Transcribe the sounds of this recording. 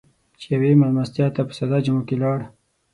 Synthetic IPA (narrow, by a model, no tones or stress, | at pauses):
t͡ʃejawemalmast̪jɑt̪apə̥sad̪ɑd͡ʒəmokelɑɽ